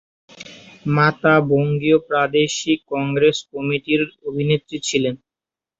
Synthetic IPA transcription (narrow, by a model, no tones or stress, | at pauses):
mat̪aboŋɡiopɾad̪eʃikːɔŋɡɾeskɔmiʈiɾobʱinet̪ːɾit͡ɕʰilen